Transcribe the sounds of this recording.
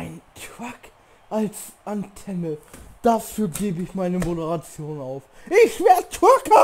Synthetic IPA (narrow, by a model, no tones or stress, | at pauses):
ʔaɪntʁ̥ak | ʔals | ʔantʰɛnəd̥afyːɐɡeːbəɪçmaɪnəmodəʁat͡sjoːnaʊf | ʔɪçʃv̥eɐtʁ̥akə